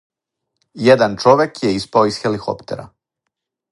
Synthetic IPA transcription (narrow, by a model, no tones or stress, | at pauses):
jed̪ant͡ʃoʋekjeispaoisxeliko̞̰pt̪e̞̰ɾa̰